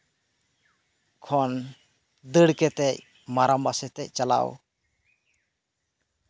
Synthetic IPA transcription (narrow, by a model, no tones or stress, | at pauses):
kʰɔn | d̪əɽkɛt̪ɛc̚ | maɾambasɛt̪ɛc̚t͡ʃala̰w